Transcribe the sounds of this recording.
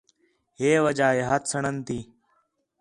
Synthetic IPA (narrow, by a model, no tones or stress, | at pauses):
ɦeːʋəd͡ʒaːɦeːɦət̪ʰsəɳənt̪ʰiː